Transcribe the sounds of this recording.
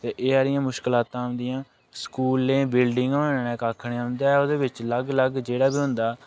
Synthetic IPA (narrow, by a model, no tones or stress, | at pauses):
t̪eːʔeːaːɾɪjãːmʊʃkɪlaːt̪ãːɦʊ̃nd̪ɪjãː | skuːlːẽːbɪlɖɪŋɡnẽːkaːkʰɳeɦʊ̃nd̪aːoːd̪eːbɪt͡ʃləɡləɡd͡ʒeːɽaːbiːɦʊ̃nd̪aː